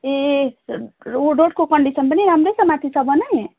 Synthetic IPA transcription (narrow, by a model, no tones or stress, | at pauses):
e | oɖoʈkokəɳɖisənpəniɾamɾesəmat̪ʰisəbənaje